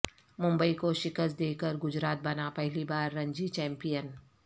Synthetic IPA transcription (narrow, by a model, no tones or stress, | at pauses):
mʊ̃mbəikoʃɪkəst̪̚d̪eːkəɾɡʊd͡ʒɾaːt̪̚bɐnapɛɦlibaːɾːɐ̃ɲd͡ʒit͡ʃɛ̃ːmpijən